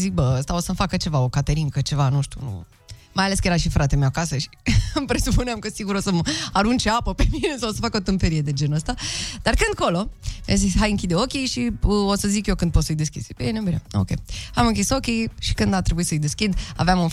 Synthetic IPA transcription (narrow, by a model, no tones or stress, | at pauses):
zik̚bəəst̪ao̞səmfakət͡ʃe̞vao̞kat̪eɾiŋkət͡ʃe̞vanuʃt̪ʲṵnṵ | majaleskəje̞ɾaʃifɾʔat̪emewakasəʃi̥mpɾe̞supuneamkəsiɡuɾo̞səmaɾunt͡ʃeapəpe̞mine̞saosəfakəot̪ɨmpe̞ɾije̞d̪e̞d͡ʒe̞nuəst̪ad̪̥arkɨnd̪̚ko̞lo̞ja̰zisʲɦajɨŋkʲid̪eo̞kʲeʃiəo̞səzikjekɨnd̪̚pot̪sɨjd̪e̞skʲḭspeenebineo̰kʲḛamɨŋkʲiso̞kʲejʃi̥kɨnd̪at̪ɾebuitsəɨjd̪e̞skʲid̪a̰veamunf